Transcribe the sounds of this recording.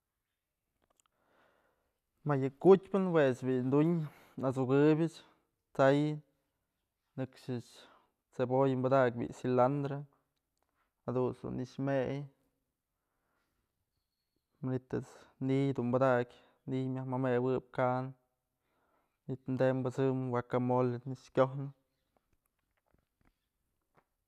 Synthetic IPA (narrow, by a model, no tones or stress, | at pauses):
majɨkutʲpɨnwet͡ʃbind̪uɲ | nat͡suɡɨbʲɨt͡ʃ | t͡sajɨ | nɨkʃɨt͡ʃ | t͡sebojmbad̪ak̚ʲbḭʔsiland̪ɾe | had̪unsd̪ṵniʂmej | manit̪ɨt͡snijd̪umbad̪akʲ | nimjahmamewɨb̚kan | nit̪md̪embɨt͡sɨmwakamolniʃkʲohnɨ